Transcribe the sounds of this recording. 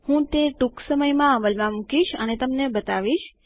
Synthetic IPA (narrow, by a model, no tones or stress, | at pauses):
hũt̪eʈuksəməjmãəməlmãmũkiʃənet̪əmnebət̪aʋiʃ